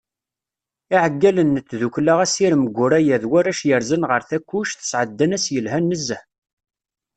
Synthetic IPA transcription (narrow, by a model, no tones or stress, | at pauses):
iʕəɡːælənːət͡sːðuklaʁæsiɾməɡʷːʊɾæjæðwæɾæʃjəɾzənʁəɾθækʷːuʃθə̥sʕəd̪ːænæsjəlɦænːəzːə